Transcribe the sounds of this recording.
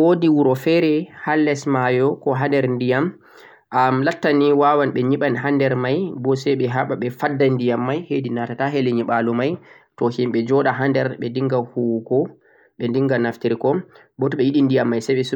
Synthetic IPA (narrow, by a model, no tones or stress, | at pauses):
wodiwuɾɔfɛɾɛhalːɛsmajɔkɔɦandɛɾndijam | ʔamlatːaniwawanɓɛɲiɓanɦandɛɾmajbɔsɛjɓɛɦaɓaɓɛfadːandijamːajhedinatataɦɛlɛɲiɓalɔmaj | tɔhimɓɛd͡ʒɔɗaɦandɛɾɓɛndiŋɡahuwɡɔ | ɓɛndiŋɡanaftiɾikɔ | bɔtɔɓɛjiɗindijamːajsɛjɓɛs